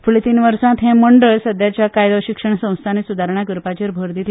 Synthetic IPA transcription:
fuɭet̪iːnʋəɾsãt̪ɦɛ̃məɳɖəɭsəd̪jat͡ɕjakajd̪əɕikʂəɳsə̃w̃st̪ʰanisud̪ʱaɾɳakɾpat͡ɕiɾbʱəɾd̪it̪

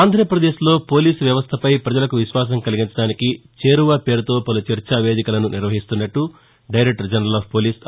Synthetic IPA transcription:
aːnd̪ʱɾɐpɾɐd̪e̞ːʃlo̞ːpo̞ːliːsʋjɐʋɐst̪ʰɐpɐjpɾɐd͡ʒɐlɐkuʋiʃʋaːs̬ɐŋkɐliɡiɲt͡ʃɐɽaːnikit͡ʃe̞ːɾuʋaːpe̞ːɾut̪o̞ːpɐlut͡ʃɐɾt͡ʃaːʋe̞ːd̪ikɐlɐnuniɾʋɐɦist̪unːɐʈːu | ɖɐjɾek̚ʈɐɾd͡ʒɐnɾɐlaːppoːliːs

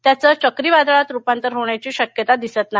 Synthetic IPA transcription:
t̪jat͡sət͡ɕəkɾiːʋad̪aɭat̪ɾupant̪əɾɦoɳjat͡ɕiːɕəkjət̪ad̪isət̪naɦi

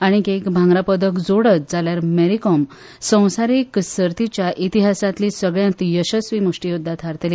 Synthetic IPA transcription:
aɽ̃ikekbʱãŋɡɾapəd̪əkd͡zoɽət͡s̚d͡zaljaɾmeɾikɔm | sə̃w̃saɾiksəɾt̪it͡ɕjaʔit̪iɦasãt̪liːsəɡɭjãnt̪jəɕəsʋimuʂʈijud̪ʱːat̪ʰaɾt̪eli

